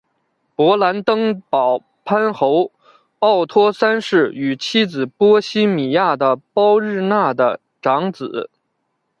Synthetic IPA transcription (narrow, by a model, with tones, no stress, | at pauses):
pwɔ˧˥la˧˥nt̪ɤ˥ŋpɑ˨˩ʊ | pʰa˥nxo˧˥ʊ | ɑ˥˩ʊt̪ʰwɔ˥sa˥nʂɻ̩˥˩y˨˩t͡ɕʰi˥d͡zɹ̩˨˩pwɔ˥ɕi˥mi˨˩ja˥˩d̪ə˩pɑ˥ʊɻɻ̩˥˧na˥˩d̪ə˩ | ʈ͡ʂɑ˧˥ŋt͡sɹ̩˨˩˦